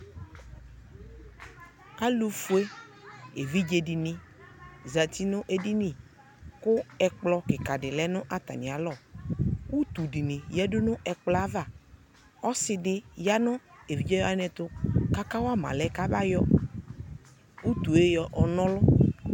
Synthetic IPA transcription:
a˦lu˨fu˨˦e˦e˨vi˦d͡ʒe˨ɖɪ˨nɪ̃˨ | za˨t̪i˦nʊ̃˦ʔe˨di˦nĩ˨ | kʊ˦ɛ˨k͡plɔ˦kɪ˨ka˨ɖɪ˨lɛ˦nʊ̃˦ʔa˦t̪a̰˨nĩ˨a˨lɔ˦˨wu˦t̪u˨ɖi˨nĩ˨jɛ˦dʊ˦nʊ̃˦ʔɛ˨k͡plɔ˨˦a˦va˨ | ɔ˦sɪ˨ɖɪ˦ja˦nʊ̃˦e˨vi˦d͡ʒɛ˦jɔ˦a˦nɛ̃˨t̪ʊ˦ka˦ka˦wa˦mã̰˨lɛ˦ka˦ba˦jɔ˦ | wu˦t̪u˨e˦jɔ˨ʔɔ˨nɔ̃˦lʊ˦

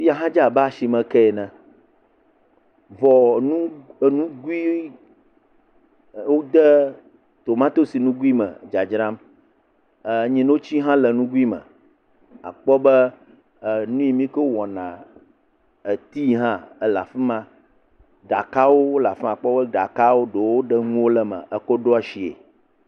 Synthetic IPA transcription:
fi˦a˨ɦã˦d͡ʒa˨ba˦a˨ʃi˨mɛ̃˨kɛ˦ɛ˨nɛ̃˨ | vɔ˨nũ˦˨nũ˦ɡu˦i˦ | wo˦d̪ɛ˦ | t̪o˨mã˦t̪o˦si˨nũ˦ɡu˦i˦mə̰̃˨d͡ʒa˨d͡ʒɾã˦m˨ | ɲĩ˨n˦wo˦t͡ɕi˦ɦã˦lɛ˨nũ˦ɡu˦i˦mə̰̃˨ | a̰˨k͡pɔ˦bə˦˨ | nũ˦ji˨mĩ˦kə˦wɔ˨nã˨ | e˨t̪i˦ɦã˦ə˨la̰˨fi˦mã˦ | ɖa˨ka˦wo˦o˦la˨fɛ˦a˨k͡pɔ˦bə˦ɖa˨ka˦wo˦ɖo˨wo˦ɖə˦ŋũ˦wo˦lə˦mə̰̃˨ʔə˨kɔ˦ɖo˦a˨ʃi˨ḛ˨

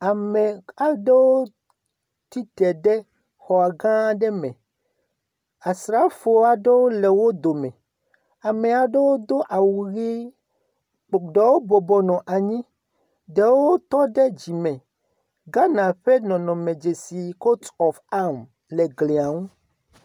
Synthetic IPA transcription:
a˨mɛ˨a˨ɖe˦wo˦ | t̪i˦t̪ɛ˨ɖe˦ | xɔ˨a˨ɡã˦ɖɛ˦mɛ̃˨ | a˨sɾa˦fo˨˦a˨ɖe˦wo˦le˨wo˦d̪o˨mɛ̃˨ | a˨me˨a˨ɖe˦wo˦d̪o˦ʔa˨wu˨ɣi˦ | k͡pɖɛ˨wo˦bɔ˨bɔ˨nɔ̃˨ʔa˨ɲĩ˦ | de˨wo˦t̪ɔ˦ɖɛ˦d͡ʑi˨mɛ̃˨ | ɡa˦nã˨ɸe˦nɔ̃˨nɔ̃˨mẽ˨d͡ʒe˨si˨ko˦tɔ˨fa˦m | le˨ɡle˨a˨ŋũ˦

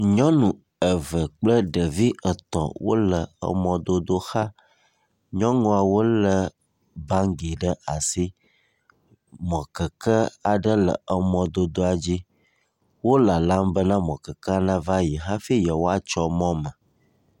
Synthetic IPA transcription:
ɲɔ̃˦nũ˨ | ə˨və˨k͡plə˦ɖə˨vi˦ə˨t̪ɔ̰̃˨wo̰˦lə˨ə̰˨mɔ̃˨d̪o˦d̪o˦xa˦ | ɲɔ̃˦ŋɔ̃˦a˨wo˦lə˨ | bã˦ŋ˦ɡi˨ɖə˦a˨si˦ | mɔ̃˨kə˨kə˦a˨ɖə˦lə̰˨ə˨mɔ̃˨d̪o˦d̪o˦a˨d͡ʑi˦ | wo˦la˨lã˦mbə˦nã˦mɔ̃˨kə˨kə˦a˨nã˦va˦ji˨ɦa˦fi˦jɛ˨wo˦a˨t͡ʃɔ˦mɔ̃˦mə̃˨

